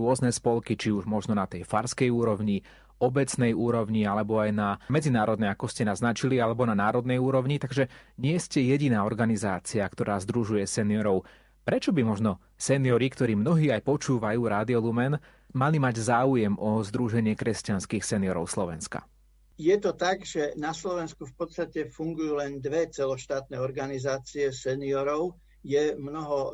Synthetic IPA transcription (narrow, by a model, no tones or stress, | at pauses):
ʊɔznɛspɔlkit͡ʃiuʒmɔʒnɔnat̪ɛjfaɾskɛjuːɾɔʋɲi | ɔbɛt͡snɛjuːɾɔʊɲialɛbɔajnamɛd͡zinaːɾɔd̪̚nɛjakɔscɛnaznat͡ʃilialɛbɔnanaːɾɔd̪nɛjuːɾɔʊɲit̪aɡʒɛɲɪɛscɛjɛɟinaːɔɾɡanizaːt͡siakt̪ɔɾaːzd̪ɾuʒujɛsɛnɪɔɾɔʊ | pɾɛt͡ʃɔbimɔʒnɔ | sɛnɪɔɾikt̪ɔɾiːmnɔɦiːajpɔt͡ʃuːʋajuːɾaːd̪iɔlumɛn | malimaɟzaːujɛmʔɔzd̪ɾuʒɛɲɪɛkɾɛscanskiːxsɛnɪɔɾɔ̰ʊslɔʋɛ̰nska̰ | jɛt̪ɔt̪aɡʒɛnaslɔʋɛnskufpɔt̪st̪acɛfuŋɡujuːlɛnd̪ʋɛt͡sɛlɔʃt̪aːt̪nɛːɔɾɡanizaːt͡siɛsɛniɔɾɔʊ | jɛmnɔɦɔ